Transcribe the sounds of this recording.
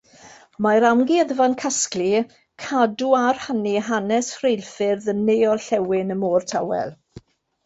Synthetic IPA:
maɾamɡiəðəvankʰaskli | kʰaduar̥haniɦanɛsrejlˠfɪrðənejɔlɬɛwɪnəmoːrtʰawɛ̰lˠ

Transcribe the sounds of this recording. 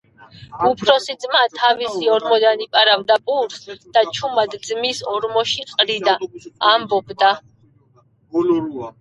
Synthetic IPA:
upʰɾɔsid̪zʼmat̪ʰavisiɔɾmɔd̪anipʼaɾavd̪apʼuɾsd̪̥at͡ʃʰumad̪d̪zmisɔɾmɔʃiqʼɾid̪aambɔbd̪a

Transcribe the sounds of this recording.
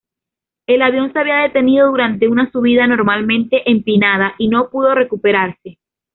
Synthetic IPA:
e̞laβjo̞nseaβiaðe̞t̪e̞niðo̞ðuɾant̪e̞unasuβ̞iðano̞ɾmalmẽ̞nt̪e̞ʔempinað̞aʔino̞puðo̞re̞kupe̞ɾaɾse

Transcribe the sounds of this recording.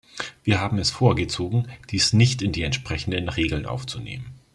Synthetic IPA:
viːɐɦaːbm̩ɛsfoːɐɡət͡soːɡŋ̩d̥iːsnɪçtɪndiːɛntʃpʁ̥ɛçn̩dənʁeːɡl̩nʔa̰ʊft͡sunḛːmən

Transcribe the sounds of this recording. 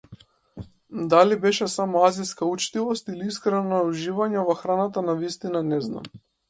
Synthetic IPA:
d̪alibɛʃɛsamɔaziskaut͡ʃt̪ivɔst̪iliiskɾɛnauʒivaɲɛvɔxɾanat̪anavist̪inanɛzna̰m

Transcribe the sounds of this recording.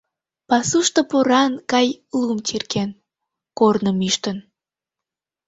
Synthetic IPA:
pɑsuʃt̪opoɾɑnkɑjlumt͡ɕirken | kornəmiʃt̪ən

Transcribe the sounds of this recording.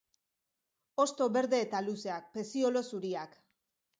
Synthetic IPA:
o̞st̪o̞βe̞ɾðe̞ːt̪aluse̞ak̚pe̞sio̞lo̞suɾiak

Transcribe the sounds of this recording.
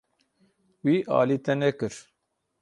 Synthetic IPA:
wiːʔɑ̰ːliːt̪ɛnɛkɨɾ

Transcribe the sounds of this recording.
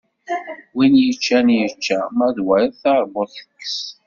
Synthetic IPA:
winjət͡ʃːænjət͡ʃːæmæðwæɾiðθɑɾˤboðˤθə̥kːs

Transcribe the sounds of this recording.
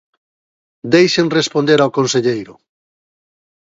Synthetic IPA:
d̪ejʃeŋrespond̪eɾawkõnseʎejɾʊ

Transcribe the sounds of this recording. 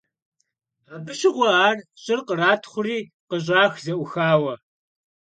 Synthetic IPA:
aːbɨʃɪʁʷɔaːrɕʼɪrqəraːtʰχʷʊriː | qəɕ̬ʼaːxzɐʔʷʊxaːwɐ

